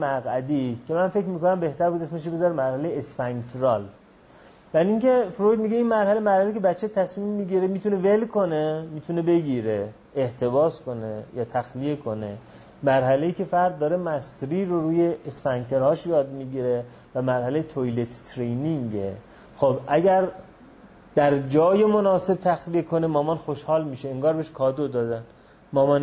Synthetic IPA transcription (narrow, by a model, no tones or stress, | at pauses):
mæɣæd̪ikʰemænfe̞kɾmiːkonæmbe̞ht̪ʰæɾbud̪esmeʃ̬ibezɒɾemæɾhælejeesfæŋkt̪ʰɾɒːl | væɾiŋke̞fɾojd̪̚miɡeinmæɾhælejmæɾhælekʰʲebæt͡ʃʰːet̪ʰæsmimːiːɟiɾemiːt̪ʰune̞ve̞lkʰo̞nemiːt̪ʰune̞be̞ɡiːɾe | eht̪ʰe̞bɒːsko̞nejɒːt̪ʰæxlije̞kʰo̞ne̞ | mæɾhæle̞iːcʰʲe̞fæɾd̪̚ːɒːɾemæst̪ɾiːɾoɾuːje̞ːsfæŋkt̪ʰe̞ɾhɒːʃjɒːd̪miɡiːɾe | væmæɾhælejet̪ʰojlet̪ːʰɾejniŋɡe | xobʔæɡæɾ | d̪̥æɾd͡ʒɒːjemonɒːse̞b̚t̪ʰæxlijekʰo̞nemɒːmɒnxo̞ʃhɒːlmiːʃeeŋɡɒːɾbeeʃkʰɒːd̪od̪ɒːd̪æn | mɒːmɒn